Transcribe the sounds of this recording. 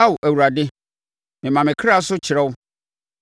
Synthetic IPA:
a˦wʊ˨ʔæ˨wu˨ɾa˨dɪ˦ | mɪ̃˨mã˨mɪ̃˨kʰɾa˦sʊ˦t͡ɕʰɪ˨ɾɛ˦wʊ˦

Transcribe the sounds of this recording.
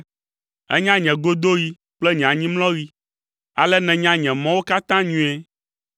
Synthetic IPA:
ɛ̰˦ɲã˦ɲɛ̃˨ɡo˦d̪o˦ɣi˨ | k͡plɛ˦ɲɛ̃˨ã˨ɲĩ˦mlɔ̃˦ɣi˦ | a˨lɛ˦nɛ̃˨ɲã˦ɲɛ̃˨mɔ̃˦wo˦ka˦t̪ã˦ɲũ˦ɛ˦

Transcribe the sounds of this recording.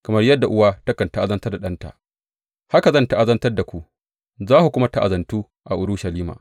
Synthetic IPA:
kɐ˨mɐ˦rjɐ˦dːa˨ʔʊ˦waː˦tɐ˦kɐ˨nta˦ʔa˦zɐ˦ntɐ˦rda˨ɗɐ˦nta̰˨ | ha˦ka˨zɐ˦nta˦ʔa˦zɐ˦ntɐ˦rda˨kʷu˨ | zaː˦hu˨kʷʊ˦ma˦ta˦ʔa˨zɐ˨ntuː˦ | ʔa˨ʔʊ˦ɾʊ˦ʃa˨liː˦ma̰ː˨

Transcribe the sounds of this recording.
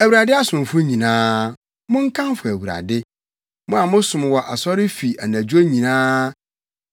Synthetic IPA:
æ˨wɥɾa˨dɪ˦a˦sʊ̃˨m˨fʊ˦ɲĩ˨nãː˦ | mʊ̃˦ŋ̩˦kʰã˦m˦fʊ˨æ˨wu˨ɾa̰˨dɪ˦ | mʊ̃˦a˨mʊ̃˦sʊ̃˨m˨wɔ˨ʔa˨sɔ˦ɾɪ˦fi˨æ˨næ̃˨d͡ʑᶣo˦ɲĩ˨nãː˦

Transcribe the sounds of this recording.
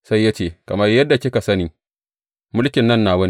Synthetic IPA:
sa˦jːa˦t͡ʃeː˨kɐ˨mɐ˦rjɐ˦dːa˨kʲɪ˦ka˨sɐ˦niː˨ | mʊ˦lkʲɪ˨nːɐ˦nːaː˨wɐ˦n

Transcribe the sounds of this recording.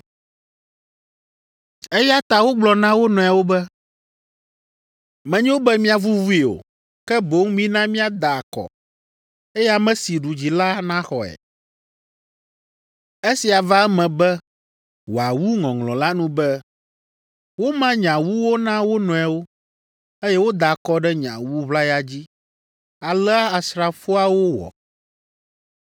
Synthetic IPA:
e˦ja˦t̪a˨wo˦ɡ͡blɔ˨nã˦wo˦nɔ̃˨a˨wo˦bɛ˦ | mɛ̃˨ɲɛ̃˦wo˦bɛ˦mĩ˦a˨vu˦vu˦i˨o̰˨ | kɛ˦bo˨˦ŋmĩ˦nã˦mĩ˦a˦d̪a˨a˨kɔ̰˨ | e˦ja˦mɛ̃˦si˨ɖu˨d͡ʑi˨la˦nã˦xɔ˨ɛ̰˨ | e˦si˨a˨va˦ɛ˦mɛ̃˨bɛ˦ | wo˨a˨wu˦ŋɔ̃˨ŋlɔ̃˨la˦nũ˦bɛ˦ | wo˦mã˦ɲã˨wu˦wo˦nã˦wo˦nɔ̃˨ɛ˨wo˦ | e˦jɛ˦wo˦d̪a˨kɔ˦ɖɛ˦ɲã̰˨wu˦βla˦ja˦d͡ʑi˦ | a˨lɛ˦a˦a˨sɾa˨fo˦a˦wo˦wɔ̰˨

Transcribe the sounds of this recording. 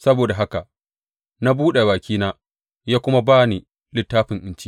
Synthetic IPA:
sɐ˦boː˨da˨ɦa˦ka˨ | na˦buː˦ɗe˨βaː˨kʲiː˦naː˦ | jaː˦kʷʊ˦ma˦baː˦ni˨ | lɪ˦tːaː˦ɸɪ˨ŋʔɪ˨˦nt͡ʃi˦

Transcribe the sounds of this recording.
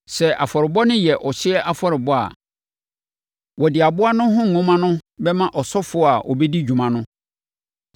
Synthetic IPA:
sɛ˨ʔa˨fɔ˨ɾɪ˨bɔ˦nʊ̃˦jɛ˨ʔɔ˨ɕɪ˦ɛ˦ʔa˨fɔ˨ɾɪ˨bɔ˦a̰˨ | wɔ˨dɪ˨a˨bʊ˦a˦nʊ̃˦ɦʊ̃˦ŋ̩˨ŋʊ̃˦mã˦nʊ̃˦bɛ˦mã˦ʔɔ˨sɔ˦fʊ˨˦˨a˨ʔɔ̰˨bɛ˦di˦d͡ʑᶣu˨mã˨nʊ̃˦

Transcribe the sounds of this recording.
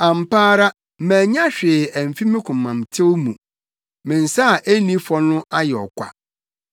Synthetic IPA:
ã˨m̩˨paː˦ɾa˦ | mæ̃ː˨ɲã˦ɕᶣɪ˨æ˨m˨fi˦mɪ̃˦kʰʊ̃˨mːã˨m˨tʰɪ˦wmũ˨ | mɪ̃˨n̩˨sa˦˨ʔe˦nĩ˦fɔ˦nʊ̃˦ʔa˦jɛ˨ɔ̰˨kʷa̰˨

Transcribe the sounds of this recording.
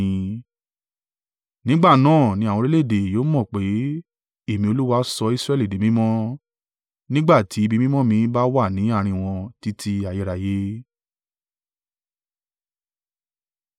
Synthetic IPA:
nĩ˨˦ɡ͡ba˦˨nãː˦˨nĩ˧a˨wɔ̃˧ɾe˦le˦˨de˨joː˨˦mɔ̃˦˨k͡pe˨˦ | e˦˨mĩ˧o˧lu˦wa˧˦sɔ˧i˧˦sɾɛ˦˨li˨de˨mĩ˦mɔ̃˦ | nĩ˦ɡ͡ba˦˨tʰi˨˦i˦˧bi˧mĩ˦mɔ̃˦mĩ˧˦ba˦wa˦˨nĩ˨˦a˦˨ɾ̃ĩ˧w̃ɔ̃˧ti˧tʰi˧a˨ji˨˧ɾa˨je˨˦

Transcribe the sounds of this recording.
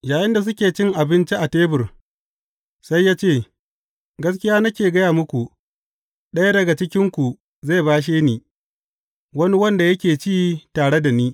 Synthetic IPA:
jaː˨jɪ˦nda˨s̬ʊ˦kʲeː˨t͡ʃɪ˦ŋʔa˨bɪ˦nt͡ʃi˦ʔa˨teː˦bɪ˨r | sa˦jːaː˦t͡ʃeː˦˨ | ɡɐ˦s̬kʲɪ˦jaː˦nɐ˦kʲeː˨ɡɐ˦jaː˨mʊ˦kʷu˨ | ɗɐ˦ja˦dɐ˨ɡa˨t͡ʃɪ˦kʲɪ˦ŋkʷu˨ | za˦˨baː˦ʃ̬eː˦niː˨ | wɐ˦ni˦wɐ˦nda˨jɐ˦kʲeː˨t͡ʃiː˦taː˨ɽe˦da˨niː˦

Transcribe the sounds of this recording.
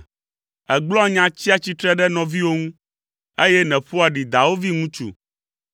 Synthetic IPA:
ɛ˨ɡ͡blɔ̃˦ɲã˨t͡ɕi˦a˦t͡ɕi˦t̪ɾɛ˦ɖɛ˦nɔ̃˨vi˦wo˦ŋũ˦ | e˦jɛ˦nɛ̃˨ɸu˦a˨ɖi˨d̪a˨wo˦vi˦ŋũ˦t͡ʃṵ˨

